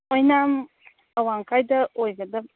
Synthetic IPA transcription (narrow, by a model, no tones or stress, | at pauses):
ojnam | əwaŋkajd̪ɐojɡəd̪ɐ